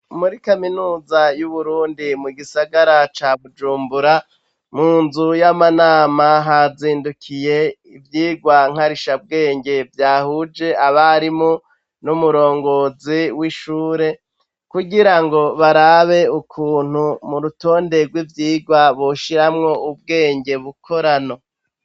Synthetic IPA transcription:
muɾikaminuːzajuβuɾuːndimuɡisaɡaɾat͡ʃaβud͡ʒuːmbuɾa | muːnzujamanaːmaɦaziːndukʰije̞ | ivjiːɡwaŋ̥haɾiʃab̚ɡe̞ːŋɡe̞vjaːhud͡ʒe̞aβaɾimo | numuɾo̞ːŋɡo̞ziwiʃuːɾe̞ | kuɡiɾaŋɡo̞βaɾaβe̞ukʰuːn̥humuɾuto̞ːnde̞ɡwivjiːɡwaβoʃiɾamŋo̞ub̚ɡe̞ːŋɡe̞βukʰo̞ɾano

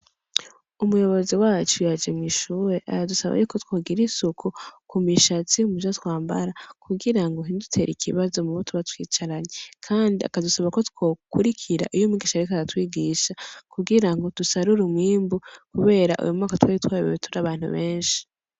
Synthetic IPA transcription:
umujo̞βo̞ziwaːt͡ʃujad͡ʒemŋiʃuːɾe̞ʔa̰jadusaβa̰jukotwo̞ːɡiɾisukʰukumiʃat͡siumud͡ʒatwaːmba̰ɾakʰuɡiɾaŋɡoɦindutʰe̞ɾikʰḭβazo̞muβutʰuβatwḭːt͡ʃaɾaɲekʰaːndia̰kadusaβako̞two̞kuɾikʰiɾa̰ʔijomiɡiʃaɾikazatwiːɡiʃakuɡiɾaŋɡo̞d̥usaɾuɾumwiːmbukuβe̞ːɾaʔṵjumŋaːkatwaːitwaːjiβoβitʰuɾaβaːn̥hṵβe̞ːnʃi̥

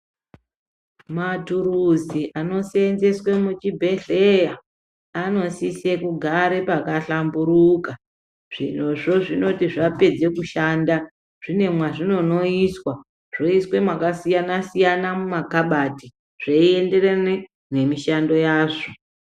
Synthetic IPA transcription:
matuɾuziʔano̞senzeswe̞mut͡ʃibʱe̞ɮeja | ano̞sise̞kuɡʱaɾe̞pakaɬambuɾuka | ʐ̥ḭn̤oʐo̞ʐino̞tiʐape̞d͡ze̞kuʃanda | ʐ̥ine̞mwaʐino̞no̞iswa | ʐ̥o̞iswe̞makasijanasijanamumakaɓati | ʐ̥eie̞nde̞rene | ne̞miʃando̞jaːʐo

